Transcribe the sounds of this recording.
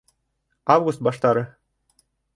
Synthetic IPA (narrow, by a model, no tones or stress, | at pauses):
ɑvɡust̪̚bɑʃt̪ɑɾɤ